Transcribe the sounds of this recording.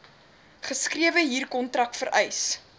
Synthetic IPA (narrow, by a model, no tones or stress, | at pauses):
χəskriəvəɦiːrkɔntrɐk̚fəɾʔɛjs